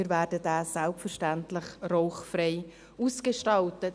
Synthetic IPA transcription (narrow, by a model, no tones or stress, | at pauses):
ɪɾvæːɾdədæːsɛlpfɛɾʃtæntlɪχrɔːχfrɛɪ | uːsɡ̥eʃtɑltə